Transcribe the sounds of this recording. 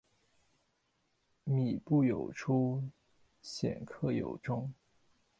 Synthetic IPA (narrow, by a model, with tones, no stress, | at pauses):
mi˨˩pu˥˩jo˨˩ʊʈ͡ʂʰu˥ | ɕjɛ̰˨˩nkʰɤ˥˩jo̰˨˩ʊʈ͡ʂʊ˥ŋ